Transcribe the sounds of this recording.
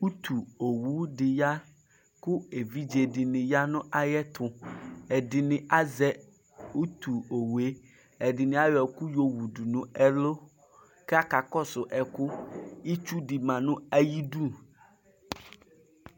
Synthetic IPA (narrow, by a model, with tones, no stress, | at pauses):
u˦t̪ʰu˨o˨wu˨˦ɖi˨ja˦ | ku˦e˨vi˦d͡ʒe˨ɖi˨nĩ˨ja˦nʊ̃˦ʔa˦jɛ˦t̪ʰʊ̃˨ɛ˨di˨nɪ̃˨ʔa˦zɛ˦ | u˦t̪u˨o˨wu˨e˦ | ɛ˨ɖi˨nĩ˨a˨jɔ˨ku˦jo˦wu˨ɖu˨nũ˨ɛ˨lo˦ | kɛ˦a˦ka˨kɔ˦sʊ˨ʔɛ˨kʊ˦i˦t͡ʃu˦ɖi˨mã˨nũ˦a˨ji˦ɖu˦˨